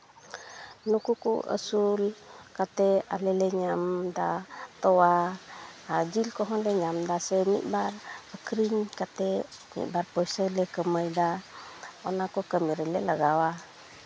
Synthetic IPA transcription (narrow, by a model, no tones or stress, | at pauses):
nukukṵə̰sulkat̪ɛalɛlɛɲamdat̪ɔwa | ad͡ʒilkɔɦɔlɛɲamdasɛnḭʔbarəkɾiɲkat̪ɛnḭʔbarpɔjsəlɛkəməjda | ɔnakɔkəmiɾɛlɛləɡawa